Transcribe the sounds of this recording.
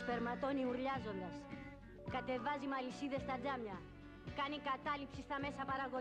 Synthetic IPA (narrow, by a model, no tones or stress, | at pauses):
spe̞ɾmɐt̪o̞niuɾʎɐzo̞nd̪ɐs | kɐt̪e̞vɐzimɐlisiðe̞st̪ɐd͡zɐmɲɐ | kɐnikɐt̪ɐlipsist̪ɐme̞sɐpɐɾɐɣo